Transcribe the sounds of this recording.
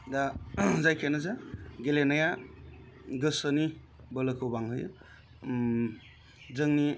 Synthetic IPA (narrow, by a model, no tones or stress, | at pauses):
dazajkʰenazaɡelenaja | ɡɯsəni | bəlɯkʰɯwbaŋɦɯj | zɯŋni